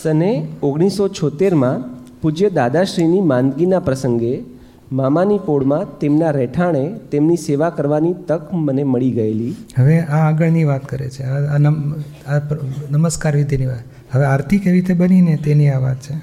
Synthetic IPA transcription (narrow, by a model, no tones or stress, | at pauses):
əneoɡɽ̃isot͡ʃʰɔt̪eɾmã | pud͡ʒjəd̪ad̪aʃɾinimãnd̪ɡinapɾəsəŋɡe | mamanikoɽmãt̪emnaɾɛʈʰaɽ̃et̪emniseʋakəɾʋanit̪əkməneməɭiɡəeliɦəʋeaːɡəɭniʋat̪kəɾḛt͡ʃʰeaanə | apnəməskaɾʋid̪ʱiniʋat̪ | ɦəʋeaɾt̪ʰikeʋiɾit̪ʰebəninet̪eniaʋat̪̚t͡ʃʰe